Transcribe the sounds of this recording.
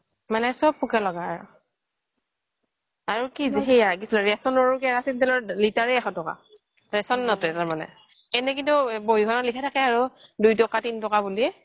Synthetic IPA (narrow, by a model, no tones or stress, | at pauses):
manɛsɔb̚pukalɔɡaːɹʊ̰ | aɹukiziɦejak̬isilɔɹɛsɔnɔɹukɛɹasintɛlɔlitaɹɛaxɔtɔka̰ | ɹɛsɔnːɔtɛtaɹmanɛ̰ | ɛnɛk̬intuboiɡɔnalikʰatʰakɛaɹudujtɔkatintɔkabuliɛ